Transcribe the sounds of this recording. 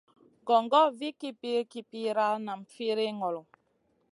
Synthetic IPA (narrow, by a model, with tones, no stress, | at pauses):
ɡɔ˨ŋɡɔ˦vi˦ki˦pi˦ki˦pi˦ɾa˦lna˨m̩˨fi˦ɾe˦ŋɔ˨lɔ˨